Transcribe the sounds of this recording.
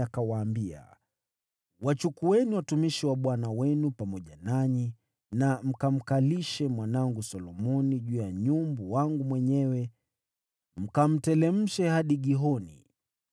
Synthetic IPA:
akawaːmbia̰ | wat͡ʃukuɛniwatumiʃiwaɓwanawɛnupamɔʄanaɲi | nam̩kam̩kaliʃɛmwanaŋɡusɔlɔmɔniʄuːjaɲumbuwaŋɡumwɛɲɛwɛ | m̩kam̩tɛlɛm̩ʃɛhaɗiɠiɦɔnḭ

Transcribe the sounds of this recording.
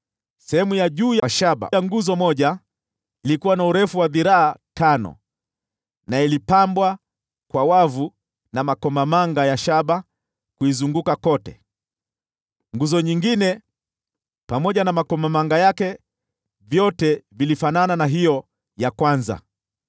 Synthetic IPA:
sɛhɛmujaʄuːjʃaɓa̰aŋɡuzɔmɔʄa | ilikuwanauɾɛfuwaðiɾaːtanɔ̰ | nailipambwa | kwawavu | namakɔmamaŋɡajaʃaɓa | kuizuŋɡukakɔtɛ̰ | ŋɡuzɔɲiŋɡinɛ | pamɔʄanamakɔmamaŋɡajakɛ | vjɔtɛvilifanananaɦijɔ | jakwanza̰

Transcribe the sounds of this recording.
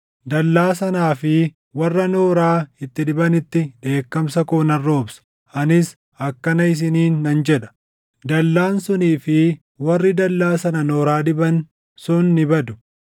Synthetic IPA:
d̪ɐlːaːsɐnaːfɪ | wɐrːɐno̞ːɾaːɪt̪ːɪd̪ɪbɐnɪt̪ːɪᶑe̞ːkːɐmsɐkoːnɐrːo̞ːbsɐ̥ | ʔɐnɪs | ɐkːɐnɐɪs̬ɪniːnːɐnd͡ʒɛᶑɐ̥ | d̪ɐlːaːnsʊniːfɪ | wɐrːɪd̪ɐlːaːsɐnɐnoːɾaːd̪ɪbɐn | sʊnːɪbɐd̪ʊ̥

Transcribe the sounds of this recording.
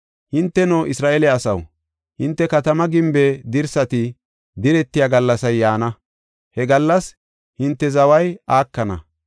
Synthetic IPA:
hɪnt̪ːɛnoːʔɪsɾaːʔelɛɐsɐ̰w | hɪnt̪ːɛkɐt̪ɐmɐɡɪmbed̪ɪɾsɐt̪ɪ | d̪ɪɾɛt̪ːɪjaːɡɐlːɐsɐjːaːnɐ | hɛɡɐlːɐs | hɪnt̪ːɛzɐwɐjaːkːɐnɐ̰

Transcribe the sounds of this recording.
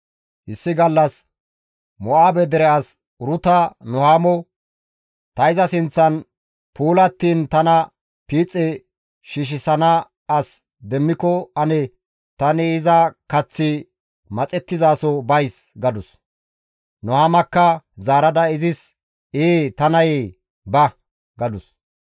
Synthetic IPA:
hɪsːɪɡɐlːɐs | mɔʔaːbɛd̪ɛɾɛas | ʊɾʊt̪ɐnɔhaːmɔ | t̪ɐɪzɐsɪnt͡sːɐn | puːlɐt̪ːiːnt̪ɐnɐ | piːt͡sʼːɛ | ʃiʃ̬ɪsɐnɐ | ɐs | d̪ɛmːɪkɔɐnɛ | t̪ɐnɪːzɐkɐt͡sːɪ | mɐt͡sʼɛt̪ːɪzaːsɔbɐjsɡɐd̪ʊs | nɔhaːmɐkːɐzaːɾɐd̪ɐɪzɪs | eːt̪ɐnɐje | bɐ | ɡɐd̪ʊs

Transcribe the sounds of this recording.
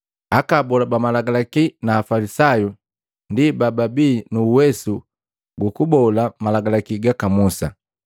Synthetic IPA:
akabɔlabamalaɡalakinaːfalisaju | ndibababiːnuːwɛsu | ɡukubɔlamalaɡalakiɡakamusa̰

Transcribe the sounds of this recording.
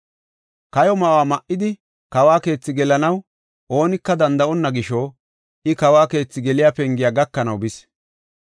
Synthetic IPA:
kɐjɔmɐwaːmɐʔːɪd̪ɪ | kɐwaːke̞ːt͡sːɪɡɛlɐnɐw | o̞ːnɪkːɐd̪ɐnd̪ɐʔɔnːɐɡɪʃo | ʔɪkɐwaːke̞ːt͡sːɪɡɛlɪjaːpɛŋɡɪjaːɡɐkːɐnɐwbɪs

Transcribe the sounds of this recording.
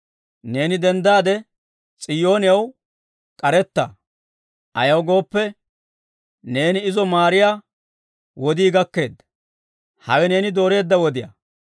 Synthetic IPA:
ne̞ːnɪd̪ɛnd̪aːd̪ɛ | t͡sʼɪjːo̞ːnɪjɐw | kʼɐɾɛt̪ːɐ̰ | ʔɐjɐwɡo̞ːpːɛ | ne̞ːnɪːɪzɔmaːɾɪjaː | wɔd̪iːɡɐkːe̞ːd̪ːɐ | hɐwɛne̞ːnɪd̪o̞ːɾe̞ːd̪ːɐwɔd̪ɪjɐ̰

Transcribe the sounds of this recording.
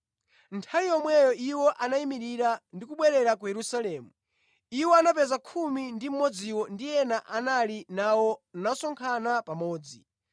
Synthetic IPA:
ntʰawijɔmwɛjɔʔiwɔʔanaimiɾiɾandikuɓwɛɾɛɾak̬ujɛɾusalɛːmu | iwɔanapɛzakʰumindim̩mɔd͡ziwɔndijɛnaʔanalinawɔnasɔŋkʰanapamɔːd͡zi

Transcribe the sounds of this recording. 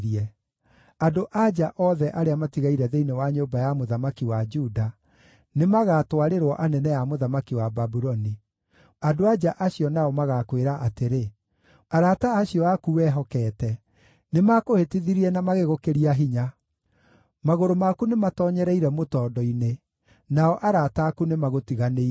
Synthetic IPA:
ɾiɛ | adoʔad͡ʒaʔɔðɛʔaɾeamatiɣaiɾɛðeinewaɲobajamoðamakiwad͡ʒuda | nemaɣatwaɾeɾwɔʔanɛnɛjamoðamakiwababuɾɔni | adoad͡ʒaʔaɕiɔnaɔmaɣakweɾaʔateɾe | aɾataːɕiɔakuwɛɦɔkɛːtɛ | nemakohetiðiɾiɛnamaɣeɣokeɾiaɦiɲa | maɣoɾomakunematɔːɲɛɾɛiɾɛmotɔːdɔine | naɔʔaɾataːkunemaɣotiɣanei

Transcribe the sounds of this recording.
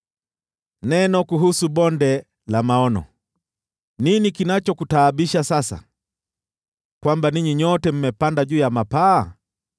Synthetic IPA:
nɛnɔkuɦusubɔndɛ | lamaɔnɔ̰ | ninikinat͡ʃɔkutaːbiʃasasa̰ | kwambaniɲiɲɔtɛm̩mɛpandaʄuːjamapaː

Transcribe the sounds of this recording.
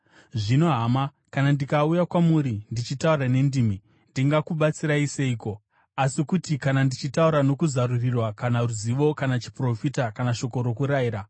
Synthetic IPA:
ʐino̞ɦama | kanandikaujakwamuɾindit͡ʃitaurane̞ndiːmi | ndiŋɡakuɓat͡siɾaise̞iːko̞ | asikutikanandit͡ʃitauɾano̞kuzaɾurirwakanaruziʋo̞kanat͡ʃi̥pro̞fitakanaʃo̞ko̞ɾo̞kuɾaiːɾa

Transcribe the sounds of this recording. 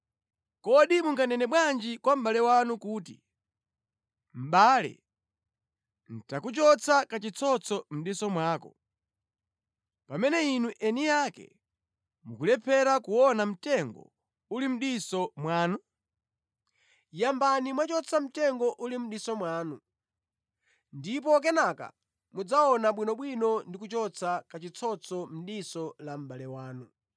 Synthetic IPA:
kɔɗimuŋɡanɛnɛɓwand͡ʒikwam̩ɓalɛwanukuːtḭ | m̩ɓaːlɛ̰ | n̩takut͡ʃɔt͡sakat͡ʃit͡sʰɔt͡sʰɔm̩ɗisɔmwaːkɔ̰ | pamɛnɛinuʔɛnijakɛ̰ | mukulɛpʰɛɾakuwɔnam̩tɛŋɡɔ̰ | ulim̩ɗisɔmwaːnu | jambanimwat͡ʃɔt͡sʰam̩tɛŋɡɔʔulim̩ɗisɔmwaːnu | ndip̬ɔk̬ɛnaka̰ | mud͡zaɔnaɓwinɔɓwinɔndikut͡ʃɔt͡sʰakat͡ʃit͡sʰɔt͡sʰɔm̩ɗisɔlam̩ɓalɛwaːnu

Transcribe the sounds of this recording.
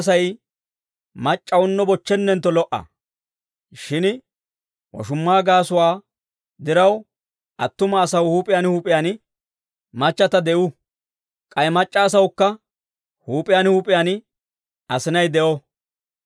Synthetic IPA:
s̬ɐj | mɐt͡ʃʼːɐwʊnːɔbɔt͡ʃːɛnːɛnt̪ːɔlɔʔɐ̰ | ʃɪn | wɔ̰ʃʊmːaːɡaːsʊwaː | d̪ɪɾɐw | ʔɐt̪ːʊmɐːsɐwhuːpʼɪjanhuːpʼɪjaːnɪ | mɐt͡ʃːɐt̪ɐd̪ɛʔʊ | kʼɐjɛmɐt͡ʃʼːaːs̬ɐwkːɐ | huːpʼɪjanhuːpʼɪjaːnɪ | ɐsɪnɐjd̪ɛʔɔ

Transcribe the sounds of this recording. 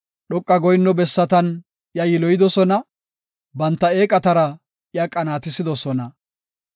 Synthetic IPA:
ɗɔkʼːɐɡɔjɪnːɔbɛsːɐt̪ɐn | jɐjɪlɔjɪd̪ɔsɔnɐ | bɐnt̪ːɐe̞ːkʼɐt̪ɐɾɐ | ɪjɐkʼɐnaːt̪ɪsɪd̪ɔsɔnɐ

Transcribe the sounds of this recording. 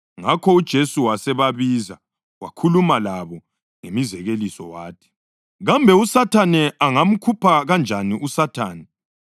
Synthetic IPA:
ŋakʰɔud̥ʒ̥ʱesuwasɛβaβiza | wa̰kʰulumalaβɔ | ŋemizɛɣelisɔ̰waːtʰɛ̥ | ɣambʱɛusatʰanɛaŋam̩kʰupʰaɣand͡ʒʱaniʔusatʰaːnɛ

